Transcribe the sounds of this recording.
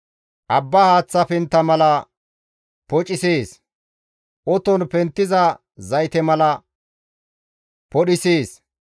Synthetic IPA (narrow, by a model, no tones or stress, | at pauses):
ʔɐbːahaːt͡sːɐpɪnt̪ːɐmɐlɐ | pɔt͡ʃʼɪseːs | ʔɔt̪ɔnpɛnt̪ːɪzɐ | zɐjt̪ɛmɐlɐ | pɔɗɪseːs